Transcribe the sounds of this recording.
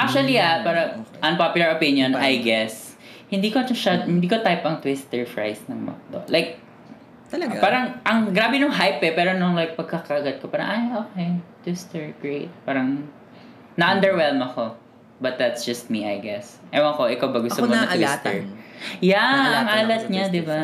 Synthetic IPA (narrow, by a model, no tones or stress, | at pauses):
ʔak̚t͡ʃuɐliapaːɾɐʔɐ̃npapjʊlɐɹʔopinjonajɡɛs | hɪ̃nd̪iːkod͡ʒɐʃahɪnd̪iːkot̪ajpɐŋt̪wɪst̪ɛɹfɹa̰jsnɐŋmɐ̰k̚d̪o̰lʔajk̪̚ | ɐɐpaːɾɐŋʔɐŋɡɾaːbɛnʊŋɦajpɛpɛːɾonʊŋlajk̚pɐɡ̚kɐkɐʔɐɡɐd̪̚kopaːɾɐ̰ŋʔajʔoːkejt̪wɪst̪ɛɹɡ̥ɹejt̪̚paːɾɐŋ | nɐʔɐnd̪ɛɹwɛlmɐko | bɐt̪̚d̪ɐt̪sd͡ʒ̥ɐst̪̚miʔɐ̰jɡɛsʔɛmoɐkoʔɪkawbɐɡʊsɐt̪oosɐʔ̪wast̪ɛ̰jaɐŋʔaːlɐt̪̚ɲad̪ɪba